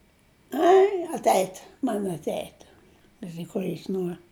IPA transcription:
ˈɐɪ ɐtʲˈɛɪtʲ mɐn ɐtʲˈɛɪtʲ ˈkɑːʒʲɪ ˈkuɔ jɪs ˈnuɔr

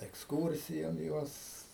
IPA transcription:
ɛksˈkuːrʲsʲɪjoːn ˈjuɔs

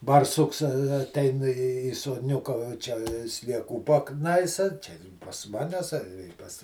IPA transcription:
bɐrˈsʊks ɐ ɐˈtʲɛɪn iː iː soːdʲˈnʲʊkɐ ʋɐ ˈt͡ʃʲɛ sʲlʲiɛˈkuː pɐˈknɐɪsɐ ˈt͡ʃʲɛ pɐs ˈmɑːnʲɛs ɐ pɐs

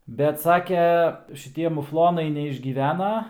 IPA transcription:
bʲɛt ˈsɑːkʲɛ ʃʲɪˈtʲiɛ mʊˈflˠoːnɐɪ nʲɛɪʒʲɡʲiːˈʋʲæːnɐ

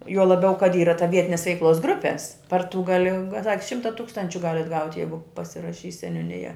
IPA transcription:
juɔ lˠɐˈbʲɛʊ kɐt ˈiːrɐ tɐ ˈʋʲiɛtʲɪnʲɛs ʋʲɛɪkˈlˠoːs ˈɡrʊpʲɛs pɐr tʊ ɡɐˈlʲɪ ŋk ˈʃʲɪmtɐ ˈtuːkstɐnʲt͡ʃʲʊ ˈɡɑːlʲɛt ˈɡɐʊtʲɪ ˈjɛɪɡʊ pɐsʲɪrɐˈʃʲiːs sʲɛnʲuːˈnʲɪjɛ

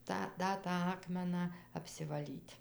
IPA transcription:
ˈtɑː ˈdɐ tɑː ˈɑːkmʲɛnɑː ɐpʲsʲɪʋɐˈlʲiːtʲ

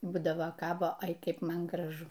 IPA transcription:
ˈbuːdɐʋɐ ˈkɑːboː ˈɐɪ ˈkʲɛɪp ˈmɐn ɡrɐˈʒʊ

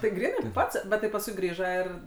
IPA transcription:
tɐɪ ˈɡrʲiːnɐɪ ˈpɐts ˈbʲɛt tɐɪ pɐsˈkʊɪ ˈɡrʲiːʒɐ ɪr

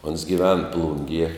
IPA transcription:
oːns ɡʲɪˈʋʲɛn ˈplˠʊŋʲɡʲiɛ

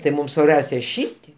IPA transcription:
tɐɪ ˈmuːm sʋɐrʲˈbʲɛʊsʲɛ ˈʃʲiːtʲiɛ

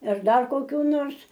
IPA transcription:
ɪr ˈdɐr koːˈkʲuː ˈnoːrs

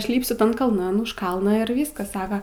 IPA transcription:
ˈɐʃ ˈlʲiːpʲsʲʊ ˈtɐn kɐlˠˈnɐn ʊʃ ˈkɐlˠnɑː ɪr ˈʋʲiːskɐs ˈsɑːkɐ

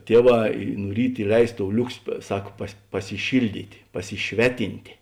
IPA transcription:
ˈtʲiɛˌʋɑː ɪ nʊ ˈrʲiːt ɪˈlʲɛɪs toːʊ ˈlʲʊksʲɪ ˈsɐk pɐs pɐsʲɪˈʃʲɪlʲˌdʲiːtʲ pɐsʲɪˈʃʲʋʲæːˌtʲɪnʲtʲeː

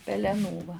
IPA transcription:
pʲɛlʲɛˈnuː ʋɐ

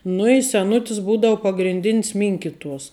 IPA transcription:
nʊ ɪ sʲɛˈnʊtʲɪs ˈbuːdɐʊ pɐɡrʲɪnʲˈdʲɪnʲs ˈmʲɪŋʲkʲɪtuɔs

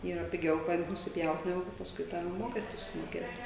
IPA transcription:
ˈiːrɐ pʲɪˈɡʲɛʊ ˈkɐt nʊsʲɪˈpʲjɛʊt nʲɛˈɡʊ kɐ pɐsˈkʊɪ tɑː ˈmoːkʲɛsʲtʲɪ sʊmoːˈkʲeːt

